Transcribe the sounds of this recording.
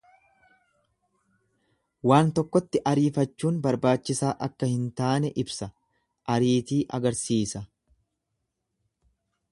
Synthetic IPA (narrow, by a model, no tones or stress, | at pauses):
waːnt̪ɔkːɔt̪ːɪʔɐɾiːfɐt͡ʃːuːnbɐɾbaːt͡ʃːɪsaːʔɐkːɐhɪnt̪aːnɛʔɪbsɐ | ʔɐɾiːt̪iːʔɐɡɐɾsiːsɐ